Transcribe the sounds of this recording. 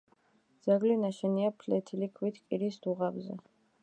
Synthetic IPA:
d̪z̥aɡlinaʃɛniapʰlɛt̪ʰilikʰwit̪ʰkʼiɾisd̪uʁabzɛ̰

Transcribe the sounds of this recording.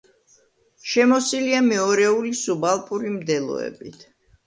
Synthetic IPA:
ʃɛmɔsiliamɛɔɾɛulisubalˠpʼuɾimd̪ɛlˠɔ̰ɛ̰bit̪ʰ

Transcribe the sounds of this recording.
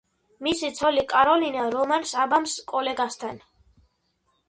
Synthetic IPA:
misit̪sʰɔlikʼaɾɔlinaɾɔmansabamskʼɔlɛɡast̪ʰan

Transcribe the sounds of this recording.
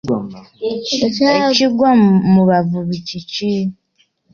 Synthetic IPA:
et͡ʃaiɡwamuβavuβicit͡ʃi

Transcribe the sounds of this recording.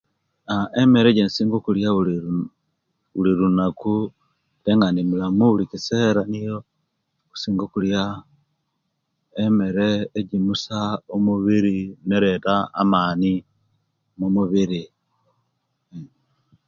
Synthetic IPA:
aʔemeɾeɟensiːŋɡokuljau | uliɾunaku | teŋɡanimulamuulikiseːɾanijo | ku̥siːŋɡokulja | eme̞ɾeːɟimusaomuβiɾineɾeta̰ːmaːni | momuβiɾi

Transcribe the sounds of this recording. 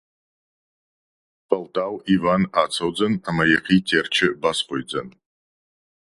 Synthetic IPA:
pʰɐltʼawivanaːt͡sʰowd͡zɐnamɐjeqʰiːtʰert͡ʃʰɪbasqʷojd͡zɐ̰n

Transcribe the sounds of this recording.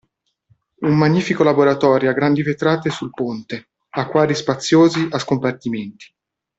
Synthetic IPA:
ummaɲːiːfikolaboɾat̪ɔːɾjoaɡɾand̪ivet̪ɾaːt̪esulpont̪e | akːwaːd̪ispat̪sːjoːziaskompart̪iment̪i̥

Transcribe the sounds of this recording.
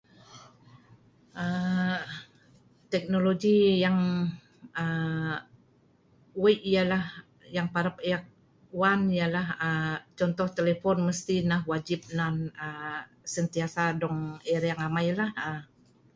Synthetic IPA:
ʔə | t̪ɛk̚noloɡijaŋ | ə | wajʔijalah | jaŋpaɾəpejak̚ | wanijalaɦət͡ʃɔnt̪ɔht̪elefɔnməst̪inaɦwad͡ʒip̚nanə | sənt̪iasadɔŋɛɾjaŋamajlahə

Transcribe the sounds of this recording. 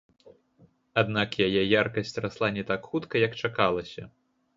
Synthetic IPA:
ad̪nakjajɛjarkɐsʲt͡sʲraslˠanʲɛt̪akxut̪kɐjɐkt͡ʂakalˠɐsʲɐ̰

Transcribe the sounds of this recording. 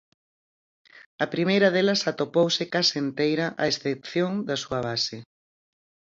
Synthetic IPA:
ɐpɾimejɾɐðelɐsat̪opowsɪkasent̪ejɾɐʔaesθepθjoŋd̪ɐsuɐβ̞asɪ

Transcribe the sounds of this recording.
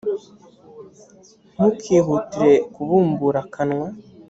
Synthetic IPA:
n̥ukʰiːɦutiɾe̞kuβuːmbuɾakʰanŋwa

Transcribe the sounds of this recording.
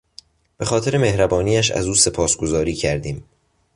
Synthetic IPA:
b̥e̞xɒːt̪ʰeɾe̞me̞hɾæbɒːniːæʃæ̰zuːse̞pʰɒːsɡ̥o̞zɒːɾiːcʰæɾd̪iːm

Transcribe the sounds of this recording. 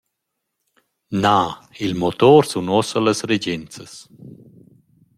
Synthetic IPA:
nailmot̪ɔɾsunɔsəlasɾed͡ʒɛnt͡səs

